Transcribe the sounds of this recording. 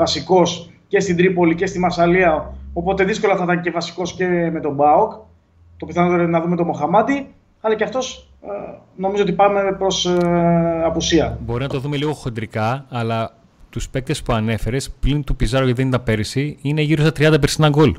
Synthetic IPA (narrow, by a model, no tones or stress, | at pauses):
vɐsiko̞s | ce̞st̪id̪ɾipo̞lice̞st̪imɐɾsɐliɐo̞po̞t̪e̞ðisko̞lɐθɐt̪ɐnce̞vɐsi̥ko̞sce̞me̞t̪o̞bɐok | t̪o̞piθɐnot̪eɾenɐðumet̪o̞mo̞xɐmɐt̪i | ɐlɐceɐft̪o̞s | no̞mizoo̞t̪ipɐme̞pɾo̞s | ɐpusiɐbo̞ɾinɐt̪o̞ðume̞liɣo̞xo̞nd̪ɾikɐːlɐ | t̪uspek̚t̪e̞spuɐne̞fe̞ɾe̞splint̪upizɐɾoceðenit̪ɐpe̞ɾisiine̞ʝiɾost̪ɐt̪ɾiɐnd̪ɐp̬eɾsinɐŋɡo̞l